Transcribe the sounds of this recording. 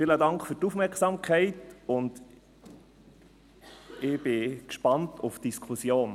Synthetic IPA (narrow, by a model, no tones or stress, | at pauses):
fiːlədɑŋkfyɾtufmɛɾksɑmkʰɛɪtʊnd | ɪb̥ɪkʃpɑntʰufd̥iskʰusjoːn